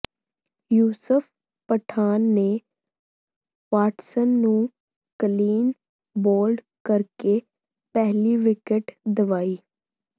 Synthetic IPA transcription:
juːsəpʰ | pəʈʰaːnːe | ʋaːʈsənːũ | kəliːn | boːlɖ | kəɾke | pɛɦliʋɪkəʈd̪əʋaːiː

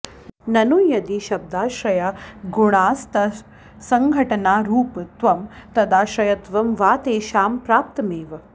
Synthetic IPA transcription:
nɐnujɐd̪iʃɐb̚d̪aːʃɾɐjaɡuɳ̃aːst̪ɐ | sɐŋɡʱɐʈɐnaːɾuːpt̪ʋɐmt̪ɐd̪aːʃɾɐjɐt̪ʋɐmʋaːt̪eːʃaːmpɾaːp̚t̪ɐmeːʋɐ

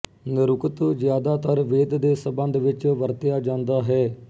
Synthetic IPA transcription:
nɪɾʊkət̪zjaːd̪aːt̪əɾʋeːd̪d̪eːsəbə̃nd̪ʋɪt͡ʃʋəɾt̪ɪjaːd͡ʒãːnd̪aːɦɛː

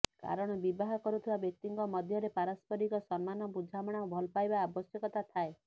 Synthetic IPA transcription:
ka̰ɾɔɽ̃ɔbibaɦɔkɔɾut̪ʰibabjɔk̚t̪iŋkɔmɔd̪ʱjɔɾepaɾɔspɔɾikɔsɔnmanɔbud͡ʒʱamɔɽ̃ɔbʱɔlpajbaːbɔsjɔkɔt̪at̪ʰae

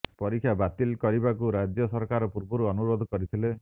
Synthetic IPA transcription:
pɔɾikʰjabat̪ilkɔɾibakuɾad͡ʒjɔsɔɾkaɾɔpuɾbɔɾuɔnuɾod̪ʱɔkɔɾit̪ʰile

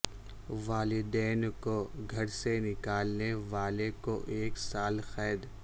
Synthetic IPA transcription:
ʋaːlɪd̪ɛːnkoɡʱɐɾsenɪkaːlneʋaːlekoʔeːksaːlxɛːd̪

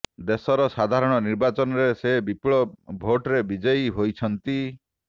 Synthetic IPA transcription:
d̪esɔɾɔsad̪ʱaɾɔɽ̃ɔniɾbat͡ʃɔnɔɾesebipɭɔbʱoʈɾebid͡ʒɔjɦojt͡ʃʰɔnt̪i

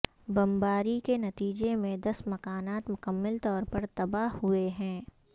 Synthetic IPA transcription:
bɐ̃mbaːɾikenɐt̪iːd͡ʒemẽd̪ɐsmɐkaːnaːt̪mʊkəmːəlt̪ɔːɾpɐɾt̪ɐbaɦɦʊeɦɛ̃ː

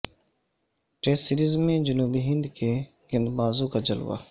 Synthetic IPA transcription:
ʈeːssɪɾiːzmẽd͡ʒənuːbiːɦɪ̃nd̪keː | ɡənd̪baːzuːkad͡ʒəlʋa̰ː

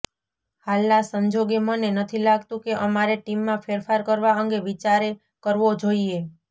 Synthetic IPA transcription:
halnasəɲd͡ʒoɡemənenət̪ʰilaɡt̪ũkeʔəmaɾeʈimːãfʰeɾfʰaɾkəɾʋaəŋɡeʋit͡ʃaɾe | kəɾʋod͡ʒoie

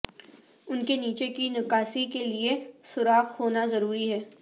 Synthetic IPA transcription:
ʊnkeniːt͡ʃekinɪkaːsikeliesʊɾaːxhoːnazɐɾuːɾiɦɛː

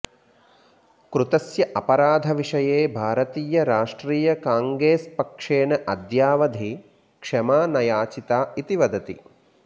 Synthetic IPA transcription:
kɾut̪ɐsjɐʔɐpɐɾaːd̪ʱɐʋiʂɐjeːbʱaːɾɐt̪iːjɐɾaːʂʈɾiːjɐkaːŋɡɾeːspɐkʂeːnɐʔɐd̪jaːʋɐd̪ʱi | kʂɐmaːnɐjaːt͡ʃit̪aːit̪iʋɐd̪ɐt̪ḭ

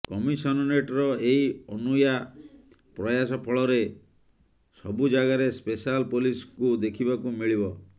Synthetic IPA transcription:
kɔmisɔnɔneʈɾɔeiɔnuja | pɾɔjasɔpʰɔɭɔɾe | sɔbud͡ʒaɡaɾespesalpoliskud̪ekʰibakumiɭibɔ

